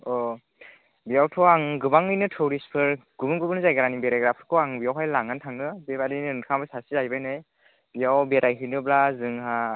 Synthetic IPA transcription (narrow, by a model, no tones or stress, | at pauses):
ɔ | bijawtʰɔaŋɡɯbaŋɯjnɯtʰɔɾispʰɯɾɡ̥ubɯnɡubɯnzajɡaɾanibeɾajɡɾapʰɯɾkʰɔwaŋbijawɦajlaŋantʰaŋɯbebadinɯnkʰambɯsasizajbajnɯj | bijawbeɾajɦɯjnɯblazɯŋɦa